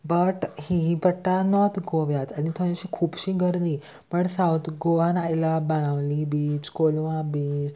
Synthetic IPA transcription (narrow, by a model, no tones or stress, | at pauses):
bəʈhibəʈːanɔt̪ɡoʋjat̪añit̪ʰə̃ẽɕikʰuːbɕiɡəɾliː | pəɳsawt̪ʰɡoʋanajlabəɽ̃aʋlibiːt͡ɕkolʋãbid͡ʒ